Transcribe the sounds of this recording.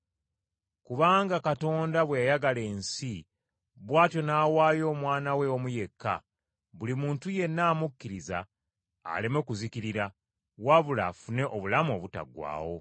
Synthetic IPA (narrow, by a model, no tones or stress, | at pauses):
kuβaːŋɡakato̞ːndaβwejajaɡale̞ːnsi | βwaːtjo̞naːwaːjo̞ːmwaːnawe̞omuje̞kːa̰ | βulimuːntuje̞nːaːmukːiɾiza̰ː | lemokuzikiɾiɾa | waβula̰ːfune̞ʔo̞βulamuo̞βuta̰ɡwa̰ːwo̞